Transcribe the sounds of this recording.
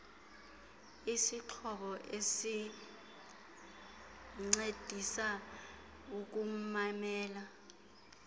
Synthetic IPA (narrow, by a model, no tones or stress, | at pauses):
isiǃʰɔɓɔʔesi | ŋ͡ǀed̥ʱisa | uk̬umamɛːla